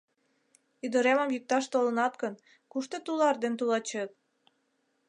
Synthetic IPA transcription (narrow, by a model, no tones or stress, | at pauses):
yd̪əɾeməmjik̚t̪ɑʃt̪olɤ̆nɑt̪ɡən | kuʃt̪ot̪ulɑrd̪ent̪ulɑt͡ɕet̪̚